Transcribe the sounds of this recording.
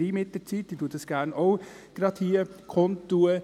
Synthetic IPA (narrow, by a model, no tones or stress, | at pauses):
iːmɪtdət͡siːt̚d̥ituːətɑsɡ̥æːɾnoʊ | ɡ̥ɾɑthiːəkʰɔntːuə